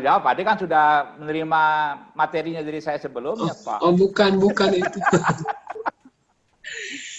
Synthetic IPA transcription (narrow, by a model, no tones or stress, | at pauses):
d͡ʒawapadikansudahmənəɾimamat̪eɾiɲadiɾisajasəbəlʊmapa̰bukanbukanit̪u